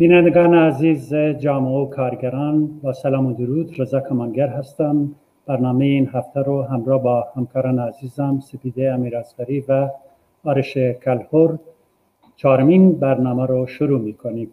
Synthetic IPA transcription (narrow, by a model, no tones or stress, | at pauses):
b̥iːnænd̪eɡɑːneæziːzed͡ʒɑːmeokʰɑːɾɡæɾɑːnbɑːsælɑːmod̪uɾud̪ɾezɑːkʰɑmɑːnɡæɾɦæst̪æm | b̥æɾnɑːmejeiːnɦæft̪ʰæɾoɦæmɾɑːbɑːhæmkʰɑːɾɑːneæziːzæmsepiːd̪eæmiːɾæzbæɾiːvæ | ɑːɾeʃekʰælhoɾ | t͡ʃʰɑːɾomiːnbæɾnɑːmæɾoʃoɾuːmiːkʰoniːm